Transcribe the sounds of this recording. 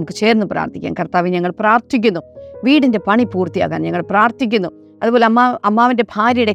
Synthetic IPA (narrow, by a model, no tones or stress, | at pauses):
mukːɨt͡ɕe̞ːɾnːupra̰ːrt̪ʰikʲːa̰ːnkɐrt̪aːʋiɲɐŋːɐɭpraːrt̪ʰik̬ʲːunːuʋiːɽinde̞pɐɳipuːrt̪ija̰ːɣa̰ːnɲɐŋːɐɭpraːrt̪ʰik̬ʲːunːu | ɐðubo̞ːleɐmːaɐmːaːʋinde̞bʱaːɾɐjuɽe̞